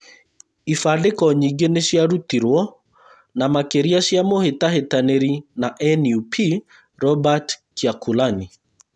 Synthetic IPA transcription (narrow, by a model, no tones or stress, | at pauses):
ifadekɔɲiɡeneʃjaɾut̪iɾwɔ | namakeɾiasjamohetahetaneɾinaʔɛnjupʰi | ɾɔbatkiakulani